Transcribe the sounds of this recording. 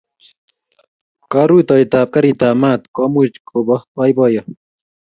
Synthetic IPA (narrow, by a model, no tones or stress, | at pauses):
kaɾut̪ɔjt̪aːp̚kaɾit̪aːmaːt̪kɔmut͡ʃkʰobɔwajbɔjɔ